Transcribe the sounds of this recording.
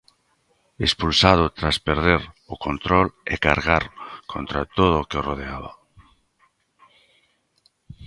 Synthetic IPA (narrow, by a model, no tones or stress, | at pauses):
espulsað̞ʊt̪ɾaspeɾð̞eɾ | ʊkõnt̪ɾolḛkaɾɣaɾkʰo̰nt̪ɾat̪oðokeoroð̞eaβa̰